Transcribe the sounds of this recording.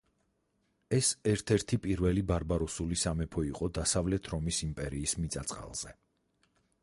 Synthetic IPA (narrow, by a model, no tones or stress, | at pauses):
ɛsɛɾt̪ʰɛɾt̪ʰipʼiɾvɛlibaɾbaɾɔsulisamɛpʰɔiqʼɔd̪asavlɛt̪ʰɾɔmisimpʼɛɾiːsmit̪sʼat̪sʼqʼa̰lˠz̥ɛ